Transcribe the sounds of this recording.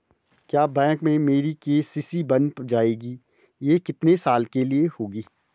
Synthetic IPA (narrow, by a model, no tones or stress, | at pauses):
kjaːbɛ̃ːkmẽmeːɾikeːsɪsibɐ̃nd̪d͡ʒaːeːɡiː | jeːkɪt̪nesaːlkeliehoːɡiː